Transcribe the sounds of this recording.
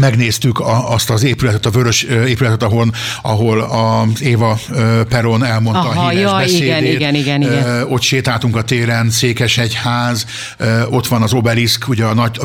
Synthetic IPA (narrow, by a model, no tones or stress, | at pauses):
mɛɡneːst̪ykɒɒst̪ɒzeːpylɛt̪ɛt̪ɒvøɾøʃøeːpylɛt̪ɛt̪ɒɦo̞n | ɒɦo̞lɒzeːvɒøpɛɾonɛlmo̞nt̪ɒːɦiːɛbɛsieːd̪eːtɡɛniɡno̞t̪ʃeːt̪aːlt̪uŋkɒt̪eːɾɛnseːkɛʃɛchaːz | øo̞t̪ʋɒnɒzo̞bɛliskʰuɟɛːnɒɟ